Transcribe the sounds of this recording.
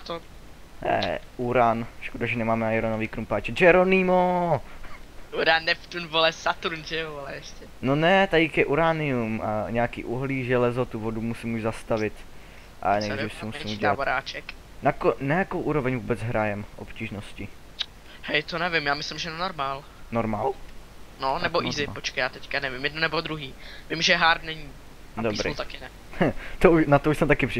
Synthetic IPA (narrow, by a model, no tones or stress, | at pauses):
at̪o | nɛ̰ʔuɾanʃkodaʒɛnɛmaːmɛnajɾonoviːkɾumpaːt͡ʃɛd͡ʒɛɾonimo | uɾanːɛft̪unvolɛsat̪uunʒɛoalɛɛʃcɛnonɛt̪aɪkjɛʔuɾaːnɪumaɲɛakḭːʔuɦliːʒɛlɛzot̪uvodumusɪmuʒzast̪avɪt̪ | ʔa̰nɛjɾifsɛmusimuɟɛlaoɾaːt͡ʃɛk | nakonajakowʔuːɾo̞vɛɲvuːbɛd͡zɦɾajɛmʔo̞̰pciːʒnoscɪ | hɛjt̪onɛvɪmjaːmɪslɪmʒɛnɛnoɾmaːl | noɾmaːl | nonɛboʔizɪpot͡ʃkajaːt̪ɛckanɛvɪmjɛdnonɛbod̪ɾuɦiːvɪmʒɛɦaɾt̪nɛɲiː | dobɾḭt̪akɪnɛ | t̪ounat̪ouʃsɛmt̪akɪpr̥ɪ